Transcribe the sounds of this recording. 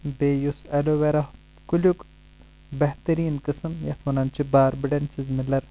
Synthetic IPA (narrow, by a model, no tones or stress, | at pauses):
beːjusɐloʋeɾɐh | kulʲuk | bɐht̪ɐɾiːnkɨsɨmjɐt̪ʰʋɐnɐnt͡ʃibaːɾbiɖɐnsizmilɐɾ